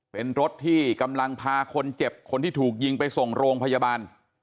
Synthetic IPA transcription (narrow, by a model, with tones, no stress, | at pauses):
pe˧nɾo˦˥t̪ʰːiː˥˩ka˧mla˧ŋpʰaː˧kʰo˧nt͡ɕe˨˩p̚kʰo˧nt̪ʰiː˥˩t̪ʰuː˨˩k̚ji˧ŋpa˧jso˨˩ŋɾoː˧ŋpʰa˧jaː˧baː˧n